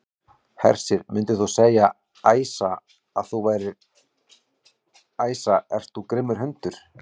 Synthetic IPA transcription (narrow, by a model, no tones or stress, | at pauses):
hɛ̰r̥sɪɾmʏnt̪ɪθusɛːja | aːjsa | aðθuvaːjɾɪɾ | aːjsaɛr̥t̪θukɾɪmːʏɾ̥ɦœnt̪ʏɾ̥